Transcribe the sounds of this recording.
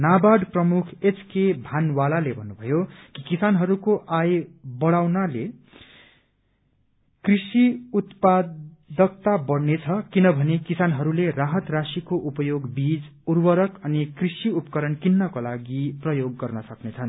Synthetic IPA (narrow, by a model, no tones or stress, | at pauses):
nabaɽprʌmukʰet͡sʰkebʱanwalalebʱʌnːubʱʌjokikisanɦʌɾukoʔajbʌɽawnale | krisiut̪pad̪ʌk̚t̪abʌɽnet͡sʰʌkinʌbʱʌnekisanɦʌɾuleraɦʌt̪rasikoʔupʌjoɡbid͡zurwʌɾʌkʌnikrisiupʌkʌɾʌnkinːʌkolaɡiprʌjoɡːʌrnʌsʌknet͡sʰʌn